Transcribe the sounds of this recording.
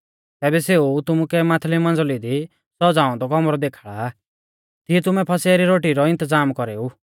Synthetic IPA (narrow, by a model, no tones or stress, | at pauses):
t̪ɛːbɛseut̪ʊmukɛmaːt̪ʰlimɐ̃nd͡zlid̪i | sɔd͡zaːɔ̃d̪ɔkɔmɾɔd̪eːkʰaɭa | t̪iɛt̪ʊmɛpʰɐseaɾiɾoːʈiɾɔɪ̃nt̪əzaːmkɔɾeːu